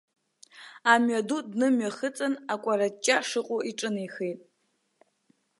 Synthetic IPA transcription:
amɥadudnɨmɥaχət͡sʼanakʷʼaɾat͡ʃʼːaʂɨqʷʼʊʔiʈ͡ʂʼɨniχejtʼ

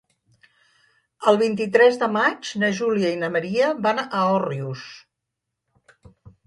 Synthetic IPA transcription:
əlˠβ̞int̪it̪ɾɛzðəmad͡ʒnəʒuliəinəməɾiəβanəɔrius

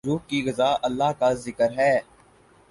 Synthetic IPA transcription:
uːk̚kiɣɐzaːʔəlːaːkazɪkəɾɦɛː

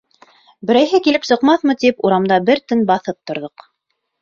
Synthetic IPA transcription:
bɘ̆ɾæjɦɘkilɘpsɤ̆qmɑθmɤt̪ipuɾɑmd̪ɑbɘɾt̪ɵnbɑθɤp̚t̪ŏɾðoq

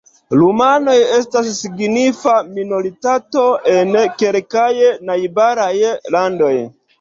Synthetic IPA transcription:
lumano̞je̞stasːiɡnifaminoɾitato̞ʔenke̞lkajnajbaɾajlando̞j

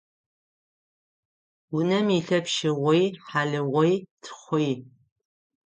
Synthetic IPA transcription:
wʊnɐmiɬɐpʃɪʁʷɔjħaɮɨʁʷɔjtʰχʷɔj

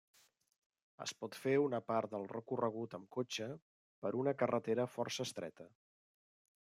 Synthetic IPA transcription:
ə̰spɔt̪feunəpaɾt̪̚d̪əlˠrəkurəɣ̞ut̪əmkot͡ʃə | pəɾʔunəkərət̪eɾəfɔrsəːst̪ɾɛ̰t̪ə

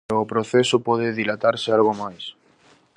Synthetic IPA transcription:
opɾoθesopɔðeðilat̪aɾsɪalɣomajs

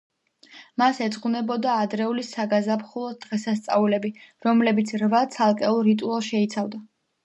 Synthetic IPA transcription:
masɛd̪zʼqunɛbɔd̪aːd̪ɾɛulisaɡazapχulˠɔd̪̥ʁɛsast̪sʼa̰ulɛbiɾɔmlɛbit̪sʰɾvat̪sʰalˠkʼɛulˠɾit̪ʼualˠʃɛit̪sʰavd̪a

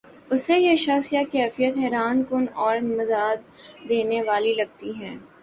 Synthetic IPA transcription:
ʊsːejeʃɐxsijakɛːfijət̪ɦɛːɾaːnkʊnɔːɾmɐzaːd̪̚ːeːneʋaːlilɐɡ̚t̪iɦɛː

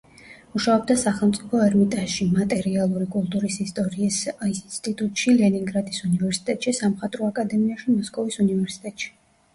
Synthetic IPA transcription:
muʃaɔb̚d̪asaχɛlˠmt̪sʼipʰɔɛɾmit̪ʼaʃimat̪ʼɛɾialˠuɾikʼulˠt̪ʼuɾisist̪ʼɔɾiːsist̪ʼit̪ʼut̪ʼʃilɛniŋɡɾad̪isunivɛɾsi̥t̪ʼɛt̪ʼʃisamχat̪ʼɾɔakʼad̪ɛmiaʃimɔskʼɔvisunivɛɾsi̥t̪ʼɛt̪ʼʃi̥

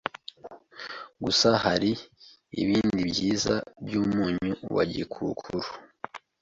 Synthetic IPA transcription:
ɡusahaɾi | ḭβiːndibɟiːzabjuːmuːɲuuwa̰ɟḭkʰukʰuɾu

